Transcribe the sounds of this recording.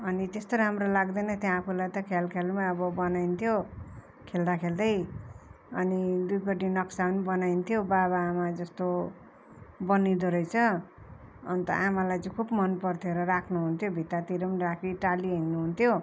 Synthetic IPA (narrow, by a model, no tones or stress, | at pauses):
ʌnit̪est̪oɾʌɦamɾolaɡd̪ʌnʌt̪jãːpʰulajt̪ʌkʰalkʰelmaʌbʌbʌnajnt̪ʰjo | kʰeld̪akʰeld̪ʌj | ʌnid̪ujpʌʈinʌksaunibʌnajnt̪ʰjobaβaːmad͡zʌst̪o | bʌnid̪oɾʌjt͡sʰʌ | ʌ̰nt̪ʌ̰ʔamalajt͡sʌkʰubmʌnpʌrt̪ʰjeɾʌrakʰnuɦunt̪ʰjobʱit̪at̪iɾʌmrakʰiʈaliɦinːuɦunt̪ʰjo